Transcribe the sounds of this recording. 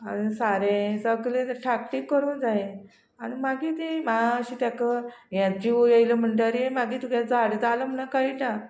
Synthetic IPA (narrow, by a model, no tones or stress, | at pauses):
anisaɾẽsəɡlẽt̪əɾʈʰakʈiːkːəɾund͡zaɦe | aɽ̃imaɡiːt̪imaəɕit̪jakəjãd͡ʑijejləm̤əɳʈaɾijemaɡiːt̪ukjad͡zaɽd͡zaləm̤ənakaiʈa